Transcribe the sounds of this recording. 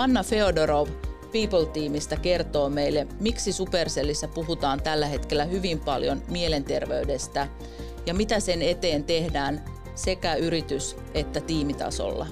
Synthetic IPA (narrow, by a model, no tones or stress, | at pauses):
ɑnːɑfe̞odoɾoʋpiːpolt̪iːmist̪æke̞rt̪o̞ːmejlːemiksisuperselːisːæpuɦut̪ɑːnt̪ælːæhe̞t̪kelːæhyʋimpɑljonmiele̞nt̪e̞rʋeyde̞st̪æ | jɑmit̪æse̞ne̞t̪eːnt̪e̞hdæːn | se̞kæyɾit̪ys | e̞t̪ːæt̪iːmit̪ɑ̰so̰lːɑ̰